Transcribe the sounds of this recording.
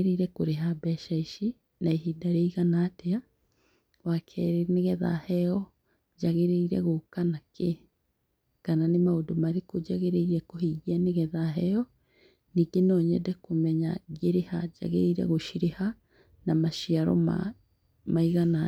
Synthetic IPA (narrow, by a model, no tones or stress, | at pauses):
ɾeiɾɛkoɾeɦabɛʃaiʃi | naeɦidaɾeiɣanaːtea | wakʰɛɾeneɣɛða̰hɛɔ | d͡ʒaɣeɾeiɾɛ̰ɣokanake | kananemaodomaɾekod͡ʒaɣeɾeiɾɛkoɦeɣianeɣɛðaɦɛɔ | niːɡenɔːɲɛ̰dɛkomɛɲaɣeɾehad͡ʒa̰ɣḛɾḛiɾɛ̰ɣoʃiɾeha | namaʃiaɾɔ̰ma̰ | maiɣanaː